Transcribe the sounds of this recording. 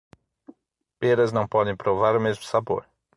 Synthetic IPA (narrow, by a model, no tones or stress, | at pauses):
peɾɐznɐ̃w̃pɔd̪ẽj̃pɾovaɾʊmezmʊsabo̰ɾ